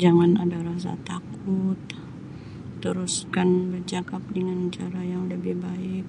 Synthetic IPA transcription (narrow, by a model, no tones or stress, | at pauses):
d͡ʒaŋana̰daɾas̬a̰t̪akʊt̪̚ː | əɾuskanbərd͡ʒakap̚dəŋant͡ʃaɾajaŋləbɪhbaɪk̚